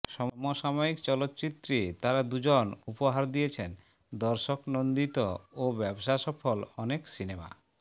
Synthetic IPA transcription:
ʃɔmɔmoʃamoikt͡ɕɔlot̪ːt͡ɕit̪ːɾet̪aɾad̪ud͡ʑonupoɦaɾd̪ijet͡ɕʰen | d̪ɔɾʃoknond̪it̪oobɛboʃaʃɔfolɔneksinema̰

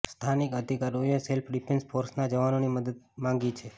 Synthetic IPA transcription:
st̪ʰanikəd̪ʱikaɾoeselpʰɖipʰensfoɾsnad͡ʒəʋanoniməd̪əd̪̚mãŋɡit͡ʃʰe

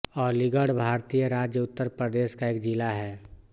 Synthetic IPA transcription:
ɔːɾlɪɡəɽbʱaːɾt̪ijəɾaːd͡ʒjəʊt̪ːəɾpɾəd̪eːʃkaeːkd͡ʒɪlaɦɛː

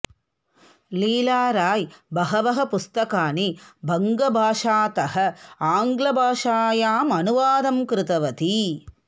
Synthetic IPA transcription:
liːlaːɾaːjbɐɦɐʋɐɦɐpust̪ɐkaːnibʱɐŋɡɐbʱaːʂaːt̪ɐhɐ̆aːŋɡlɐbʱaːʂaːjaːmɐnuʋaːd̪ɐmkɾɪt̪ɐʋɐt̪i

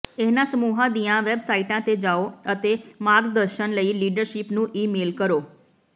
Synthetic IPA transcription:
ɛɦnãsəmuɦãd̪ijãʋebsaiʈãt̪ed͡ʒaoət̪emaɾɡd̪əɾʃənləiliɖəɾʃipnũʔiːmeːlkəɾoː

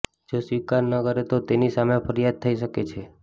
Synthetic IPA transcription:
d͡ʒosʋikaɾnəkəɾet̪ot̪enisamepʰəɾijad̪̚t̪ʰːəiʃəket͡ʃʰe

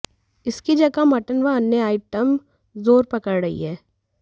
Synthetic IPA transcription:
ɪskid͡ʒɐɡamɐʈənʋaənːeaːɪʈəm | zoːɾpɐkəɾɽɐɦḭɦɛː

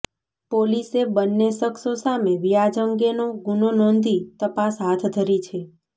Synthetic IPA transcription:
polisebənːeʃəksosameʋijad͡ʒəŋɡenoɡunonɔnd̪it̪əpasɦat̪ʰd̪ʱəɾit͡ʃʰe

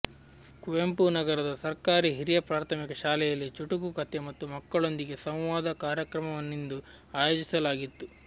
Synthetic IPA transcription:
kuʋempunɐɡɐɾɐd̪ɐsɐɾkaːɾiɦiɾijɐpɾaːɾt̪ʰɐmikɐʃaːlɛjɐlːit͡ʃuʈukukɐt̪ːemɐt̪ːumɐkːɐɭo̞nd̪iɡe̞sɐ̃w̃ʋaːd̪ɐkaːɾjɐkɾɐmɐʋɐnːind̪u | aːjo̞ːd͡ʒisɐlaːɡit̪ːu

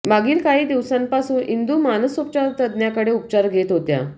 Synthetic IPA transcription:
maɡʱiːlkaɦiːd̪iʋsãmpasuːnʔind̪uːmanəsup̚t͡ɕaɾt̪əd̪njakəɽeup̚t͡ɕaɾɡʱet̪ɦot̪ja̰

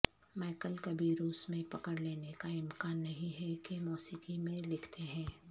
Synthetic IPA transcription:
maːkəlkɐbʱiɾuːsmẽpɐkəɽleːnekaɪmkaːnːɐɦĩɦɛkemɔːsiːkimẽlɪkʰt̪ʰeɦɛ̃ː

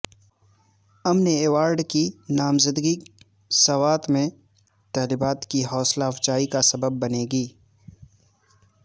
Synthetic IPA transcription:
ɐmneeːwaːɾɖkinaːmzəd̪ɡi | sɐwaːt̪mẽ | t̪ɐːlibaːt̪kiɦɔːslaːft͡ʃaːikasɐbəbːɐneːɡiː

